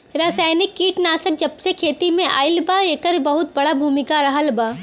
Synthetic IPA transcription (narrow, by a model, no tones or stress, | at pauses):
ɾaːsaːjnɪkːiːʈnaːsək̚d͡ʒɐbsekʰeːt̪imẽʔa̰ːɪlbaeːkəɾbɐɦʊt̪̚bɐɽabʱuːmɪkaɾɐɦəlbaː